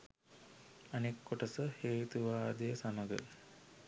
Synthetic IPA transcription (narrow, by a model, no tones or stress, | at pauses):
anekːoʈəsəheːt̪uʋaːd̪ejəsaməɡə̰